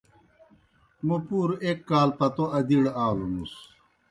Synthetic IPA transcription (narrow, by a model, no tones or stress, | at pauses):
mupuːɾekːaːlpɐt̪oʔɐd̪iɽaːlunus